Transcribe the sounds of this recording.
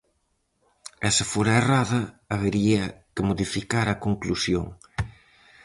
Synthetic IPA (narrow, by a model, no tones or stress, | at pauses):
ɛsɪfoɾɐeraðɐaβeɾiɐkɪmoðifikaɾɐkoŋklusjo̰ŋ